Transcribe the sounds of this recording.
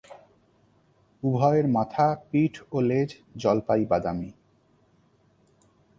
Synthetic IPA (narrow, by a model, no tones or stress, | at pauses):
ubʱɔeɾmat̪ʰapiʈʰoled͡ʑ | d͡ʑɔlpajbad̪a̰mi